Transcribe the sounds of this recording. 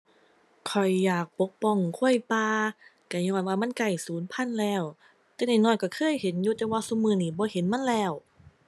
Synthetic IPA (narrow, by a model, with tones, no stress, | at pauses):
kʰɔ˨˩jːaː˨˩k̚po˧˦k̚pɔ˧˩˨ŋkʰu˧˥˨əjpaː˧ka˧˩ɲɔː˧˩nwaː˧ma˧˥˨nka˧˩jsuː˨˦npʰa˧˥˨nlɛː˧˩w | t̪ɛː˧˩na˧˩jnɔː˧˩˨jka˧˩kʰɤː˧˥˨jhe˨˦njuː˧t̪ɛː˧waː˧˥su˧˨mɯː˧˩˨niː˧˩bɔː˧˦he˨˦nma˧˥˨nlɛː˧˩w